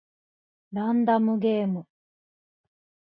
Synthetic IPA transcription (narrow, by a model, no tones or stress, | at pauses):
ɾãnd̪amɯ̟ɡe̞ːmɯ̟